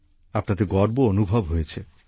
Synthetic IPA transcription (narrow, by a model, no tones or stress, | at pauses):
apnat̪eɡɔɾboonubʱobɦojet͡ɕʰe